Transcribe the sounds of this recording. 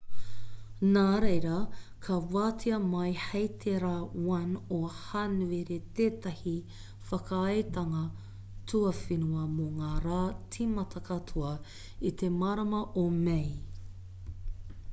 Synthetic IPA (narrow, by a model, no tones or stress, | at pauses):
naːɾejɾɐkʰɐwaːtʰiɐmɐjhejt̪ʰeɾawɐnohanueɾet̪eːt̪ɐhi | fɐkɐɐjt̪ɐŋɐ | tʰuɐfinuɐmoŋaːɾaːt͡sʰimɐt̪ʰɐkʰɐtʰuɐ | it̪emaɾɐmɐʔomej